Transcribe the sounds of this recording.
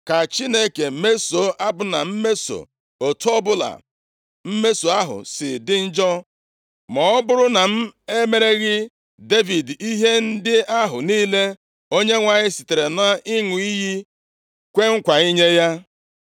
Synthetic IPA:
ka˨t͡ʃi˦ne˦ke˨me˦so˨˦ʔa˦bʊ˦na˨m̩˦me˦so̰˨ | o˨tɔ˦bʊ˦la̰˨ | m̩˦me˦so˨a˦ɦʊ̰˨sɪ̰˨dɪ˦n̩˦d͡ʒɔ˦ | mɔ˨ɔ˦bʊ˦ɾʊ˦na˨m̩˦e˦me˨ɾe˦ɣɪ˦ | de˦vi˨di˦ɦe˦n̩˦dɪ˦a˦ɦʊ˨niː˦le˦ | o˦ɲe˦ŋʷa˨ɲɪ˦si˨te˨ɾe˨nʊ˦a˦ʔi˦ŋu˨i˦ɦi˦ | kʷe˦ŋ̩˦kʷa˨i˦ɲe˦ja˦

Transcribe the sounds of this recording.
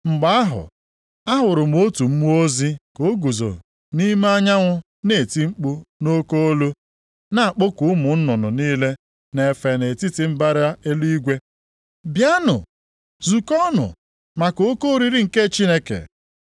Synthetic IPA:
ŋ͡m̩˨ɡ͡ba˦a˦ɦʊ̰˨ | a˦ɦʊ˨ɾʊ˨m˨o˦tu˨m̩˦mu˦o˦zi˦ko˨˦ɡu˨zo̰˨ | ni˦m˦a˦ɲa˦ŋʷʊ˦ | ne˨ti˦ŋ͡m̩˦k͡pu˦no˦ko˦o˦lu˦ | na˨a˨k͡po˦kʊ˨ʊ˦mʊ˨n̩˦nʊ˨nʊ˨niː˦le˦ | ne˨fe˨ne˨ti˦tɪ˦m̩˦ba˦ɾa˦e˦lu˦i˦ɡʷe˦ | bja˦nʊ̰˨ | zu˨kɔ˦nʊ̰˨ | ma˨ko˨˦ko˦ɾi˦ɾi˦ŋ̩˨ke˦˨t͡ʃi˦ne˦kḛ˨

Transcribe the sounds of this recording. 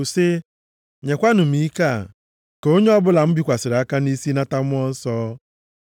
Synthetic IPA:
se˦ | ɲe˨kʷa˦nʊ˨m̩i˨˦i˦ka˦˨ | ke˨˦o˦ɲe˦ɔ˦bʊ˦la˨m̩˦bi˦kʷa˨sɪ˨ɾa˦ka˦ni˦si˦na˦ta˦m˦ɔ˦n̩˦sɔː˦

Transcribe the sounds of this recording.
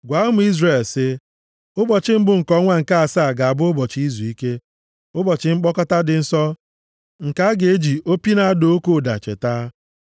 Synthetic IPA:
ɡʷa˨˦ʊ˦mʊ˦i˦zre˨lsɪ˦ | ʊ˦bɔ˨t͡ʃɪ˦m̩˦bʊ˨ŋ̩˨kɔ˦ŋʷa˦ŋ̩˨ka˦a˨saː˦˨ɡa˨a˨bʊ˦ʊ˦bɔ˨t͡ʃi˦zu˨i˦ke˦ | ʊ˦bɔ˨t͡ʃɪ˨ŋ͡m̩˦k͡pɔ˦kɔ˦ta˦dɪ˨n̩˦sɔ˦ | ŋ̩˨ka˦ɡe˨e˦d͡ʒi˨o˦pi˦na˨a˦do˦o˦ko˦˨da̰˨t͡ʃḛ˨ta˦

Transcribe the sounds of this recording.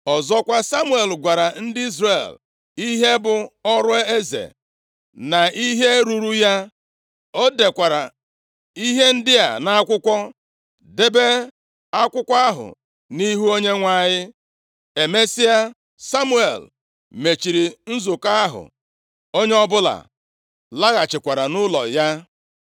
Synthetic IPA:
ɔ˨zɔ˦kʷa˦sa˦mu˦e˨lɡʷa˨ɾa˨n̩˦dɪ˦i˦zrḛ˨l | i˦ɦe˦bʊ˨ɔ˦ɾʊ˦e˦e˦zḛ˨ | na˨i˦ɦe˦ɾu˨ɾu˦ja˦ | o˦de˨kʷa˨ɾa˨ | i˦ɦe˦n̩˦dɪ˦a̰˨na˦a˦kʷʊ˦kʷɔ˦ | de˦be˦ | a˦kʷʊ˦kʷa˦a˦ɦʊ̰˨ | ni˦ɦu˦o˦ɲe˦ŋʷa˦˨ɲɪ˦ | e˨me˦si˦a˦ | sa˦mu˦ḛ˨l | me˨t͡ʃi˨ɾi˨n̩˦zo˨ka˦a˦ɦʊ̰˨ | o˦ɲe˦ɔ˦bʊ˦la̰˨ | la˦ɣa˨t͡ʃɪ˨kʷa˨ɾa˨nʊ˦lɔ̰˨ja˦

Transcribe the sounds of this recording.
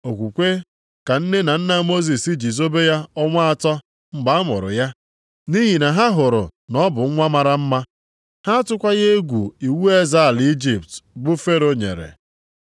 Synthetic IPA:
o˨kʷu˨kʷe˦ | ka˨n̩˦ne˦na˨n̩˦na˦mo˦zi˨si˦d͡ʒi˨zo˦be˦ja˦ɔ˦ŋʷa˦a˦tɔ˦ | m̩˦ɡ͡ba˨˦a˦mʊ̰˨ɾʊ̰˨ja˦ | ni˦ɦi˨na˨ɦa˦ɦʊ˨ɾʊ̰˨nɔ˦bʊ˨ŋ̩˦ŋʷa˦ma˨ɾa˦m̩˦ma˦ | ha˦tʊ˦kʷa˦ɣe˦e˦ɡʷu˨i˨wu˦e˦za˦˨li˦d͡ʒi˦p̚tbʊ˦fe˦ɾo˦ɲḛ˨ɾḛ˨

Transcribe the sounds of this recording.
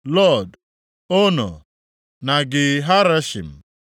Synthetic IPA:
lɔ˦˨d | o˦nɔ̰˨ | na˨ɡɪ˨ɦa˦ɾɛ˦ʃḭ˨m

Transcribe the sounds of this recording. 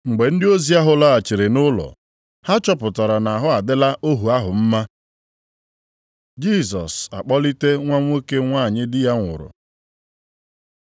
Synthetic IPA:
ŋ͡m̩˨ɡ͡be˨n̩˦dɪ˦o˦zi˦a˦ɦʊ˦la˦a˨t͡ʃɪ˨ɾe˨nʊ˦lɔ̰˨ | ha˦t͡ʃɔ˦pʊ˨ta˨ɾa˨na˨ɦʊ˦a˨dɪ˦la˦ʔo˦ɦu˨a˦ɦʊ˨m̩˦ma˦ | d͡ʒi˦˨s̬ɔ̰˨sa̰˨k͡pɔ˦li˦te˦ŋʷa˦ŋʷ˦o˦ke˦ŋʷaː˦˨ɲɪ˦dɪ˦ja˦ŋʷʊ̰˨ɾʊ̰˨

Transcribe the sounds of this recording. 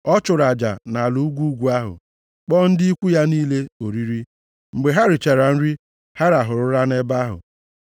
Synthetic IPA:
ɔ˦t͡ʃʊ˨ɾa˨d͡ʒa̰˨na˨lu˨u˦ɡʷu˦u˦ɡʷu˨a˦ɦʊ̰˨ | k͡pɔ˦n̩˦dɪ˦i˦kʷu˦ja˦niː˦le˦o˨ɾi˦ɾi˦ | ŋ͡m̩˨ɡ͡be˨ɦa˦ɾɪ˨t͡ʃe˨ɾa˨n̩˦ɾi˦ | ha˦ɾa˨ɦʊ˨ɾʊ˦ɾa˦ne˦ba˦ɦʊ̰˨

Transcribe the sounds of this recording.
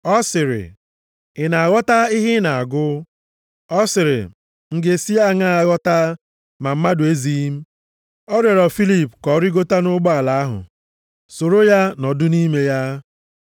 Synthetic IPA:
ɔ˦sɪ˨ɾɪ̰˨ | ɪ˨na˨a˨ɣɔ˦ta˦ɪ˦ɦɪ˦na˨a˨ɡʊ˦ | ɔ˦sɪ˨ɾɪ̰˨ | ŋ̩˨ɡe˨si˦a˦˨ŋa˦a˨ɣɔ˦ta˦ | ma˨m̩˦ma˦dʊ˨e˦zi˦m̩˦ | ɔ˦ɾɔ˨ɾɔ˨fi˦li˦˨pkɔ˨˦ɾi˦ɡo˦ta˦nʊ˦ɡ͡bɔ˦a˨la˨a˦ɦʊ̰˨ | so˨ɾo˦ja˦nɔ˨dʊ˦ni˦me˨ja˦

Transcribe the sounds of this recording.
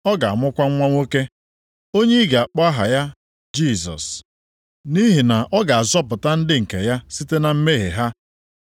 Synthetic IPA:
ɔ˦ɡa˨a˨mʊ˦kʷa˦ŋ̩˦ŋʷa˦ŋʷo˦ke˦ | o˦ɲe˦i˦ɡa˨a˨k͡pɔ˦a˦ɦa̰˨ja˦ | d͡ʒi˦˨zɔ̰˨s | ni˦ɦi˨na˨ʔɔ˦ɡa˨a˨zɔ˦pʊ˨ta˦n̩˦dɪ˦ŋ̩˨ke˨ja˦si˦te˦na˨m̩˦me˦ɦḛ˨ɦa˦

